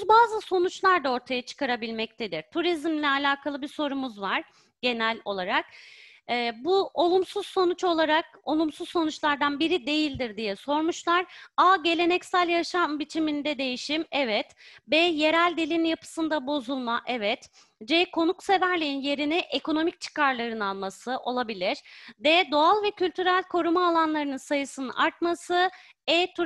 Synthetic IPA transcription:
zbaːzɯso̞nut͡ʃlˠaɾd̪ao̞ɾt̪ʰajat͡ʃʰɯ̥kʰaɾabilʲmɛc̚t̪ʰe̞d̪iɾt̪ʰuɾizmlʲɛalʲaːkʰalˠɯbiso̞ɾumuzvaɾ̥ | ɟ̥e̞nælʲo̞lˠaɾak̚ː | buo̞lˠumsuz̥so̞nut͡ʃo̞lˠaɾak̚o̞lˠumsuzso̞nut͡ʃlˠaɾd̪anbiɾid̪e̞jilʲd̪iɾd̪ijɛso̞ɾmuʃlˠaɾaːɟe̞lʲe̞nɛcsælʲjaʃambit͡ʃʰimind̪ɛd̪e̞jiʃimɛvɛt̪bɛje̞ɾælʲd̪ilʲinjapʰɯ̥sɯnd̪abo̞zulˠmaʔɛvɛt̪ | d͡ʒɛkʰo̞nukse̞væɾlʲiinje̞ɾinɛʔekʰo̞no̞mic̚t͡ʃʰɯ̥kaɾlˠaɾɯnalˠmasɯʔo̞lˠabilʲiɾ̥d̪ɛd̪o̞alˠvɛcʰylʲt̪ʰyɾælʲkʰo̞ɾumaːlˠanlˠaɾɯnɯnsajɯsɯnɯaɾt̪masɯ | ɛt̪ʰu

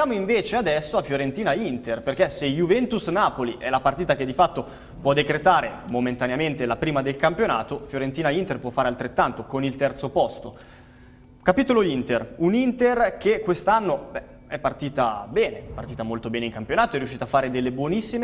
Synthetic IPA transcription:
sjaːmoiɱveːt͡ʃead̪ɛsːoafjoɾent̪iːnaint̪erperkesejuvɛnt̪usnaːpoliʔɛlapart̪iːt̪ak̟ed̪ːifat̪ːo | pwɔd̪ːekɾet̪aːɾemoment̪aneament̪elapɾiːmad̪elkampjona̰ːt̪ofjoɾent̪iːnaint̪erpwɔfːaɾealt̪ɾet̪ːant̪okonilt̪ɛrt̪sopɔst̪o | kapiːt̪oloint̪erunint̪erkekːwest̪anːobɛ | ɛpːart̪iːt̪abɛːneɛpːart̪iːt̪amolt̪obɛːneiŋkampjonaːt̪oɛrːjuʃːiːt̪afːaːɾed̪elːebwɔnisːime

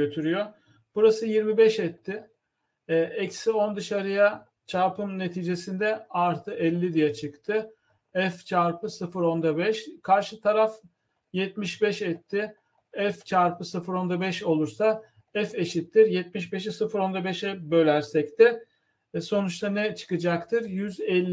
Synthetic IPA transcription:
øt̪ʰyɾyjo | b̥uɾasɯjiɾmibɛʃɛt̪ʰːɪ | ɛcsio̞nd̪ɯʃaɾɯja | t͡ʃʰaɾpɯmne̞t̪ʰiːd͡ʒe̞sind̪ɛaɾt̪ʰɯʔɛlʲːid̪ijɛt͡ʃʰɯkt̪ʰɯ | ɛft͡ʃʰaɾpɯsɯfɯɾo̞nd̪abɛʃkʰaɾʃɯt̪ʰaɾaf | jɛt̪miʃbɛʃɛt̪ʰːɪ | ɛft͡ʃʰaɾpɯsɯfɯɾo̞nd̪abɛʃo̞lˠuɾsa | ɛfeʃit̪ʰːiɾjɛt̪̚miʃbeʃ̬isɯfɯɾo̞nd̪abɛʃɛbø̞lʲæɾsɛct̪ʰɪ | so̞nut͡ʃt̪ʰˠanɛt͡ʃʰɯ̥kɯd͡ʒakt̪ʰɯɾjyzɛlʲː

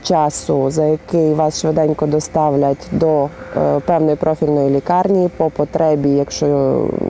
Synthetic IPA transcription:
t͡ʃɑsʊzɐjɐkɪjʋɑsʃʋed̪ɛnʲkɔd̪ɔst̪ɑʋlʲɐtʲd̪ɔpɛwnɔjpɾɔfʲilʲnɔjilʲikɑrnʲijipɔpɔt̪ɾɛbʲijɐkʃt͡ʃɔ

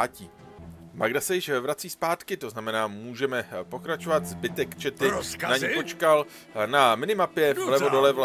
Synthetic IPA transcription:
ciː | maɡdasɛjɪʃvɾat͡siːspaːt̪kɪt̪o̞znamɛnaːmuːʒɛmɛpo̞kɾat͡ʃo̞vat̪zbɪt̪ɛkt͡ʃɛt̪ɪnaɲipo̞t͡ʃkal | namɪnɪmapjɛlɛvvodolɛvla

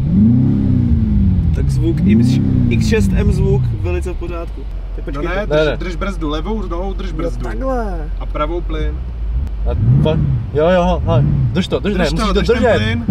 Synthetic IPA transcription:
t̪aɡzvukɪɪksʃɛst̪ɛmzvukvɛlɪt͡sɛfpoɾaːt̪ku | t̪ɛpot͡ʃnɛdnɛnɛd̪r̩ʒbɾ̩zdulɛvowznovowd̪r̩ʒb̩zdu | ɛ | ʔapɾavowplɪn | afajojoɦoɦad̪r̩ʃt̪od̪r̩ʃnɛmussit̪od̪ɾ̩ʒɛɪn

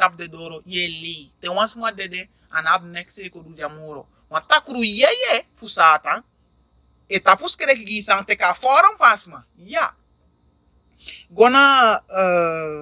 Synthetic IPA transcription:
ap̚d̪ed̪oɾojelit̪ew̃ãsmadɛde | a̰nad̪̚nɛksekodud͡ʒamoɾo̰ | wãt̪akuɾujɛjɛfusat̪a | et̪apuskeɾekiɡisãŋt̪ekafɔɾamfasma | ja | ɡɔna

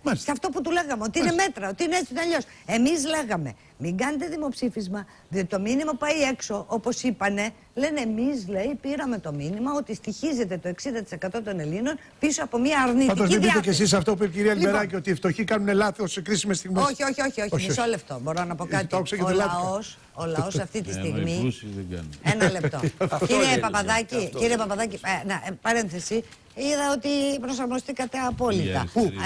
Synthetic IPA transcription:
mɐsɐft̪o̞put̪ule̞ɣɐmeot̪iineme̞t̪ɾɐo̞t̪iineesit̪onɐʎo̞s | e̞mizle̞ɣɐme̞̰ | miŋɡɐnet̪e̞ðimo̞psifizmɐ | ðiot̪it̪o̞minimɐpuɐje̞kso̞ʔo̞po̞sipɐne̞ | le̞nemizle̞jpiɾɐme̞t̪o̞minimɐo̞t̪ist̪içize̞t̪e̞t̪o̞e̞ksind̪ɐt̪isekɐt̪o̞t̪o̞ne̞lino̞n | piso̞ɐpo̞miɐːɾnitɐnd̪ozmebit̪eces̬is̬ɐft̪oupipciɾiɐliimeɾɐciot̪iːft̪o̞çikɐnunelɐθiossekɾisimest̪iɣmeoçio̞çio̞çio̞çmisoleft̪o̞bo̞ɾo̞nɐpo̞kɐt̪iokseketolɐo̞s | olɐo̞sɐft̪it̪ist̪iɣmḭ | enɐlept̪o̞̰ciɾepɐpɐðɐciciɾiepɐpɐðɐcinepɐɾe̞nθesi | iðɐo̞t̪ipɾo̞sɐɾmo̞st̪ikɐt̪e̞ɐpo̞lit̪ɐ̰pu

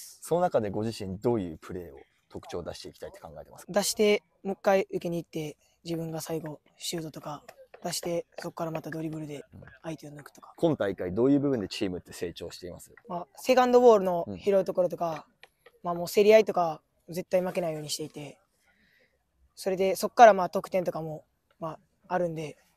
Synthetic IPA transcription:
so̞no̞nakad̪e̞ɡo̞ʑiɕĩnd̪o̞ːjɯ̟̰ːpʰɯ̟ɾe̞ːo̞̰ | t̪o̞kɯ̟̥t͡ɕo̞ːd̪aɕi̥t̪e̞ikʲt̪ai̥t̪ːe̞kʰãŋɡae̞t̪emasd̪aɕi̥t̪e̞ | mokːaiɯ̟ke̞ɲ̟iːt̪ːe̞ | d͡ʑibɯ̟̃ŋɡasaiɡo̞ | ɕɨːd̪o̞t̪o̞kad̪aɕi̥t̪e̞so̞kkːaɾamat̪ad̪o̞ɾʲibɯ̟ɾɯ̟d̪e̞ait̪eonokɯ̟̥o̞̥kḁkʰõ̞nt̪aikːaid̪o̞ːjɯ̟ːbɯ̟bɯ̟nd̪e̞t͡ɕiːmɯ̟t̪ːe̞se̞ːt͡ɕo̞̰ːɕi̥t̪e̞ima̰sɨ̥mase̞kãnd̪o̞bo̞ːɾɯ̟no̞çiɾo̞it̪o̞ko̞ɾo̞t̪̬o̞ka | maːmo̞ːse̞ɾʲiait̪o̞ka | ze̞t̪ːaimake̞naijo̞ːɲ̟iɕi̥t̪e̞it̪e̞ | so̞ɾe̞d̪e̞so̞kːaɾamaːt̪o̞kɯ̟̥t̪ent̪̬o̞kamo̞ | maː | ɾɯ̟̃nd̪e̞

